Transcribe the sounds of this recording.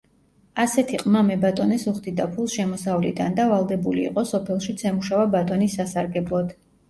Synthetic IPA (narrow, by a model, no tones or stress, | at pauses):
asɛt̪ʰiqʼmamɛbat̪ʼɔnɛsuχd̪id̪apʰulˠʃɛmɔsavlḭd̪and̪avalˠd̪ɛbulḭːqʼɔsɔpʰɛlˠʃit̪sʰɛmuʃavabat̪ʼɔnisːasaɾɡɛblˠɔd̪̥